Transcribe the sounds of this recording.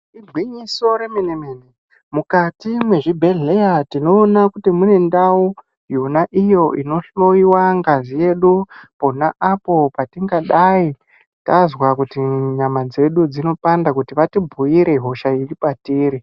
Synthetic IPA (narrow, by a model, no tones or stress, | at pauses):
iɡʱwiɲiso̞ɾemenemeːne | mukatimwe̞ʐibʱe̞ɮejatino̞ːnakutimune̞ndawu | junaʔijo̞ʔino̞ɬo̞iwaŋɡazije̞ɗuponaʔapo̞patiŋɡaɗai | tazwakutiɲamad͡ze̞ɗud͡zino̞pandakutiʋatibʱuiɾe̞ɦo̞ʃairipatiːɾi